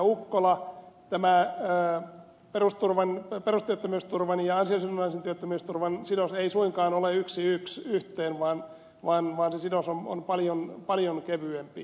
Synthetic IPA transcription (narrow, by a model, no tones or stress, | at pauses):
ukːolɑt̪æmæː | perust̪urʋɑnperust̪yøt̪ːæmyːst̪urʋɑnjɑɑnsiɑsinunɑisent̪yøt̪ːømyːst̪urʋɑnsidoseisuiŋkɑːnoleyksiyksyht̪eːnʋɑːn | ʋɑːnʋɑːnsesidosono̰npɑljonpɑljonkeʋyempi